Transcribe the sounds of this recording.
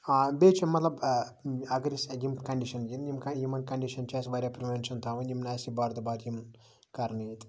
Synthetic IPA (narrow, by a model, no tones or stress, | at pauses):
beːt͡ʃimɐt̪lɐb | ɐɡɾisjimkɐɳɖiʃɐnɡinjimkɐjimɐnkɐɳɖiʃɐnt͡ʃeːsbaːɾʲjaːpɾiʋenʃɐnt̪ʰaːʋɐnimnaːsibaːɾt̪ubaːɾjimn | kɐɾnit̪